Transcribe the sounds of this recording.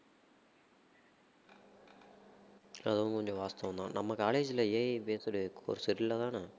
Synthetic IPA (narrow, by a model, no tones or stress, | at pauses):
ɐ̰ðɐʋʊ̃ŋkɔɲd͡ʒɔ̃ʋaːst̪ɐʋɐnd̪ã̰ːnɐmːɐkaːleːd͡ʒɪlɐeːpeːsɯɽɯko̰ːɾsɪɾɪlːɐt̪ãːna